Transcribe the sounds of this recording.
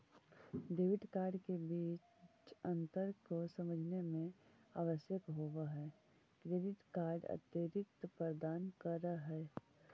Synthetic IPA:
ɖeːʋɪʈkaːɾɖkebiːt͡ʃt͡ʃə̃nt̪əɾkosɐməd͡ʒʱnemẽaːʋəʃjəkɦoʋaɦɛː | kɾeːɖɪʈkaːɾɖə̰t̪jəɾɪt̪pɾəd̪aːnkəɾəɦɛː

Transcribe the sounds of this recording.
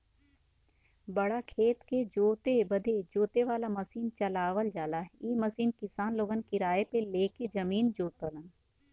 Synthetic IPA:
bɐɽakʰeːt̪ked͡ʒoːt̪ebəd̪ed͡ʒoːt̪eʋaːlaməsiːnt͡ʃəlaːʋəld͡ʒaːlaɦiːməsiːnkɪsaːnloːɡənkiɾaːepeleːked͡ʒɐmiːnd͡ʒoːt̪ələn

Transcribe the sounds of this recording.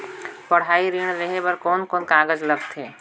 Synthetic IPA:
pɐɽ̤ɦaːiɾiːɽ̃ɾeɦebɐɾkɔːnkɔːnkaːɡəd͡ʒlɐɡt̪ʰɦeː

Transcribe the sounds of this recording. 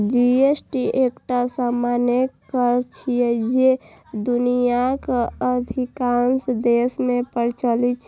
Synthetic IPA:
d͡ʒiesʈiekʈasamanekəɾt͡ʃʰijɛd͡ʒe | d̪unijakeəd̪ʱikansd̪esmepəɾt͡ʃəlit͡ʃʰ

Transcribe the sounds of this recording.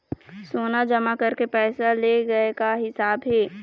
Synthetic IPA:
soːnad͡ʒɐmakɐɾkepɛːsaleɡɐekaɦɪsaːbɦeː

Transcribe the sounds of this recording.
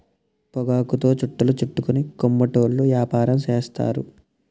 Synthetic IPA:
pɔɡaːkut̪o̞ːt͡ʃuʈːulut͡ʃuʈːukunikomːɐʈoːlːuʋjaːpaːɾɐmt͡ʃeːst̪a̰ːɾu

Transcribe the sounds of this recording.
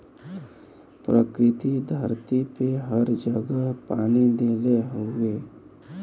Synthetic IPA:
pɾəkɾɪt̪id̪ʱəɾt̪ipeɦəɾd͡ʒəɡapaːnid̪eːleɦoɡeː

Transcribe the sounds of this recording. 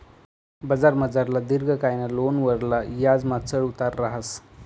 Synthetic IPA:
bəd͡zaɾməd͡zaɾlad̪iɾɡʱəkajnalonʋəɾlajad͡zmat͡səɭut̪aɾːaɦas

